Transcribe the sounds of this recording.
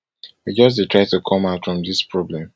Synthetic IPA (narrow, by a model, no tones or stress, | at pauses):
wid͡ʒʌs̬tʰɹaɪtukʰɔ̃maʊtfɹɔ̃mðispʰɹɔblɛ̃m